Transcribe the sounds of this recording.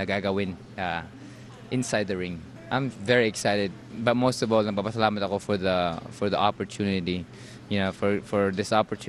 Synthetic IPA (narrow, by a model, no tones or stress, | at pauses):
ɐɡaɡɐwɪ̃n | ʔa | ʔɪ̃nsajd̪̚d̪ɐɹɪ̃ŋ | ʔã̰j̃mvɛɹiɛksajt̪ɛd̪̚bɐt̪̚most̪ɔvɔlnɐɡ̚papasɐlaːmɐt̪ɐkofɔɹðɐfɔɹðɐʔapɔɹt̪ʰjunɪt̪i | jʊnofɔɹfɔɹd̪ɪsapɔɹt̪ʰ